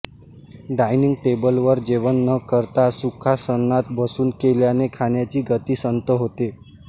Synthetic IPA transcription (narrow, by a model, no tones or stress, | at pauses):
ɖajniŋɡ̚ʈebəlʋəɾd͡ʑeʋənːəkəɾt̪asukʰasənːat̪bəsuːnkeljanekʰaɳjat͡ɕiːɡət̪iːsənt̪əɦot̪e